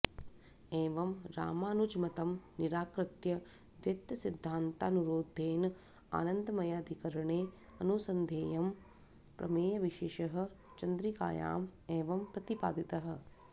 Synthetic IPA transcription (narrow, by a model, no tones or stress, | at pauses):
eːʋɐmɾa̰ːmaːnud͡ʒmɐt̪ɐmniɾaːkɾɐt̪jɐ | d̪jet̪jɐsid̪ʱːaːnt̪aːnuɾoːd̪ʱːeːn | a̰ːnɐnd̪ɐmɐjaːd̪ʱikɐɾɐɳeː | ɐnusɐnd̪ʱeːjɐm | pɾɐ̰meːjɐʋiʃeːʃɐɦɐ̆ | t͡ʃɐnd̪ɾika̰ːja̰ːmeːʋɐmpɾɐt̪ipa̰ːd̪it̪ɐɦɐ̆